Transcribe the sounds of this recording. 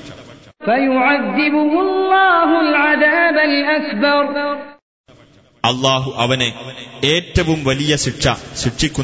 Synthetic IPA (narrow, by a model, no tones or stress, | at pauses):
fajʊʕaðːɪbʊhʊllˤːɑːɦʊlʕaðaːbalʔakbɑɾˤ | ɐlːaːɦuʔɐʋɐneeːtːɐʋumʋɐlijɐsiʈʂɐ̰siʈʂːikʲːu